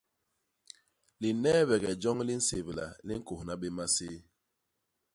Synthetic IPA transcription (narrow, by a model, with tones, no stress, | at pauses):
li˨nɛ˦βɛ˨ɡɛ˨d͡ʒɔ˦ŋli˦n̩˦se˨βla̰˨li˦ŋ̩˦ko˨hna˦ɓe˦ma˦se˦